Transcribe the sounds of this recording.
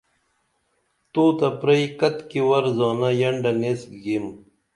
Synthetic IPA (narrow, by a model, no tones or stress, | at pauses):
t̪oːt̪ɐpɾɐikɐt̪kiwɐɾzɑːnɐjɐɳɖɐnesɡim